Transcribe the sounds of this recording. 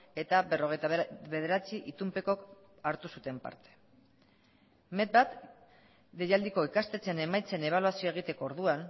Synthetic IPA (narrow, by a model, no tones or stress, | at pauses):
e̞t̪abe̞ro̞ɣ̞e̞jt̪βe̞ð̞e̞ɾat͡siʔit̪umpe̞ko̞k | aɾt̪usut̪e̞mpa̰ɾt̪e̥ | me̞t̪̚bat̪ | d̪e̞jald̪iko̞ikast̪e̞t͡se̞ne̞majt͡se̞ne̞β̞aluasio̞eɣ̞it̪e̞ko̞ːɾðuan